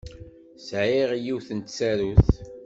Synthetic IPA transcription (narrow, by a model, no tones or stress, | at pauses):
sʕiʁjiwθənt̪sæɾuθ